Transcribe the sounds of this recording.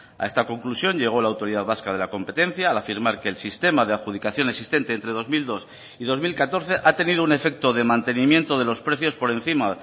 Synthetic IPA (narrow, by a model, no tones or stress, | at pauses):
a̰e̞st̪ako̞ŋklusjo̞ɲʎe̞ɣ̞o̞laːwt̪o̞ɾiðaðβaskað̞e̞lako̞mpe̞t̪ẽ̞n̟θjaːlafiɾmaɾke̞ːlsist̪e̞mað̞eaðxuðikaθjo̞neksist̪e̞nt̪eːnt̪ɾe̞ðo̞zmild̪o̞s | iðo̞zmilkat̪o̞ɾθe̞ʔat̪e̞nið̞oune̞fe̞k̚t̪o̞ðemãnt̪e̞nĩmjent̪o̞ð̞e̞lo̞spɾe̞θjo̞spo̞ɾe̞nθima